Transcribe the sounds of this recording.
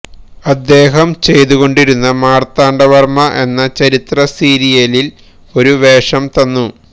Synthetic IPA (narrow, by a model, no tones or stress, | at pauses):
ɐd̪ːe̞ːɦɐmt͡ɕe̞jt̪uɣo̞ɳɖiɾunːɐmaːrt̪aːɳɖɐʋɐrmɐʔe̞nːɐt͡ɕɐɾit̪rɐsiːɾijɐlil | o̞ɾuʋe̞ːʂɐmt̪ɐnːu